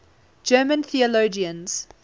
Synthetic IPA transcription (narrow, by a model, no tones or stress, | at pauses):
d͡ʒɜːmə̃nθiəloʊd͡ʒiə̃nz̥